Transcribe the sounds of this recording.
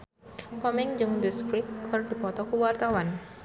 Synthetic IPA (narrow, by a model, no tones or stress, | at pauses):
kɔmɛŋd͡ʒɨŋd̪əskɾip̚kʰɔrdi̤pɔt̪ɔkuwart̪awan